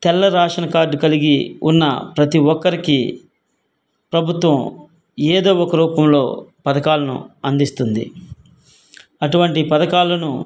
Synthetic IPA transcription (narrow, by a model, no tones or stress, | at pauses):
t̪ɛlːɐɾaːʂɐnɐkaːɾɖkɐliɡiunːɐ̰pɾɐt̪iʋɔkːɐɾiki | pɾɐbʱut̪ʋɐ̃m | eːd̪o̞ːɔkɐɾuːpɐmlo̞ːpɐd̪ɐkaːlɐnṵɐnd̪ist̪und̪ḭ | ɐʈuʋɐɳʈipɐd̪ɐkaːlɐnu